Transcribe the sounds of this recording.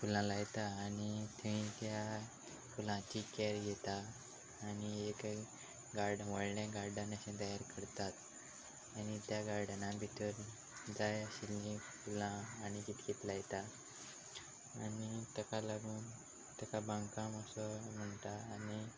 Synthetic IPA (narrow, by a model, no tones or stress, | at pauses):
fulãlajt̪aːnit̪ʰeʋĩt̪ja | fulãt͡ɕikɛɾjet̪aː | niek | ɡaɾɖʋəɭɳjaɡaɾɖanaɕẽd̪ajaɾkəɾt̪at̪ | añit̪jaɡaɾɖnãbʱit̪əɾ | d͡zajəɕilːĩfulãːnikit̪kit̪lajt̪a | anit̪akalaɡuːn | t̪akabãŋkãməsəm̤əɳʈaːni